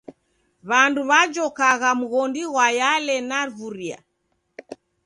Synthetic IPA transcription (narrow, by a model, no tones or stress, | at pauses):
βanduβad͡ʒɔkaɣamuɣɔndiɣwajalɛnavuɾia̰